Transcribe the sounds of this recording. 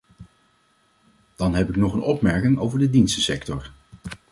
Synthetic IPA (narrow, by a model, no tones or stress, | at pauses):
d̥ɑnɦɛpɪknɔχənɔpmɛɹkɪŋowvəɹdədinstəsɛktɔɹ